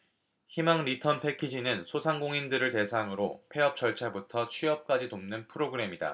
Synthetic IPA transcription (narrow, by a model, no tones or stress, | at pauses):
çimaŋɾitʰʌnpʰe̞kʰid͡ʑinɯnsʰosʰaŋɡoŋindɯɾɯɭte̞sʰaŋɯɾopʰe̞ʌp̚t͡ɕ͈ʌɭt͡ɕʰabutʰʌt͡ɕʰiʌp̚k͈ad͡ʑinomnɯnpʰɯɾoɡɯɾe̞mida̰